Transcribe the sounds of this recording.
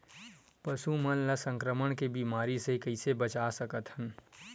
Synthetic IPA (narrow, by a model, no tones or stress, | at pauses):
pəsumənləsə̃ŋkɾəməɽ̃kebiːmaːɾisekəɪsebət͡ʃasəkət̪hən